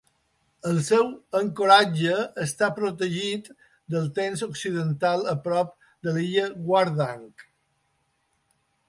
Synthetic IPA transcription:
əlˠsɛwəŋkoɾad͡ʒəːst̪apɾot̪əʒit̪ | d̪əlˠt̪enzoksiðənt̪alˠəpɾɔp̚ | d̪əliʎəɡwaɾðaŋk

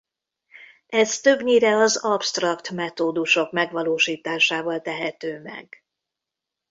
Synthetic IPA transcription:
ɛst̪ø̞bɲiɾɛɒzɒpst̪rɒkt̪mɛt̪oːd̪uʃo̞kmɛɡʋɒloːʃiːt̪aːʃaːvɒlt̪ɛɦɛt̪øːmɛ̰ɡ̥

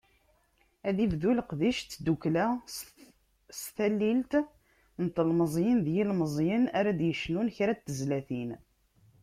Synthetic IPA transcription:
æðivðulqðiʃt͡sːd̪uklæ | sθælːilt̪ | nt̪əlməzˤjənðjilməzˤjənaɾæd̪jəʃnunçɾæt̪ːəzlæθin

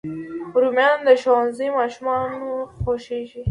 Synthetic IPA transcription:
ɾumjɑnd̪əʃɑnzimɑʃumɑnoxoʃiʃi

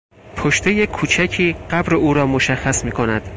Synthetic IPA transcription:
pʰoʃt̪ʰe̞jekʰuːt͡ʃʰæcʰiːɢæbɾeuːɾɒːmoʃæxːæsmiːkʰo̞næd̪̥

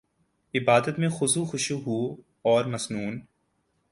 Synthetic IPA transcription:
ɪbaːd̪ət̪mẽxʊsuxʊʃuɦuo | ɔːɾmɐsnuːn

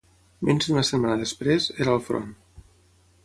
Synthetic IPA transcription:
menʲd͡ʒðunəsət̪manəðəspɾezeɾəlˠfɾo̰n

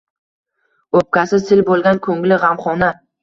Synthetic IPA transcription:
op̚kʲasɪsɪlbolˠɡʲankʰɵŋlɪʁamχɒna

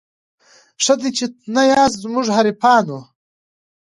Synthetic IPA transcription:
ʂɐd̪it͡ʃinɐjaːszmuʐɦɐɾipaːnu

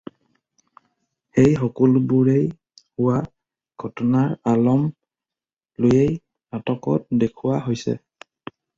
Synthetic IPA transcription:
xejxɔkɔlbuɹej | hʊwa | ɡ̥ʱɔtɔnaɹalɔm | lojej | natɔkɔ̰t̚dekʰuwaɦojsɛ̰

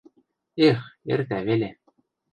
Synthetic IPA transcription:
exert̪ævelʲe

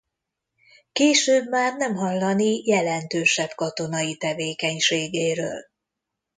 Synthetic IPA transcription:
keːʃøːbmaːrnɛmɦɒlːɒnijɛlɛnt̪øːʃɛbkɒt̪o̞nɒjit̪ɛveːkɛɲʃeːɡeːɾø̰ːl

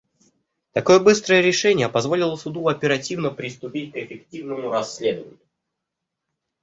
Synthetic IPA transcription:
t̪ɐko̞jəbɨst̪ɾəjəɾʲɪʂɛnʲɪjəpɐzvo̞lʲɪlˠəsʊd̪uɐpʲɪɾɐtʲivnəpɾʲɪst̪ʊpʲit̚ʲkɪfʲɪktʲivnəmʊɾɐsʲːlʲe̞d̪əvə̰nʲɪʊ

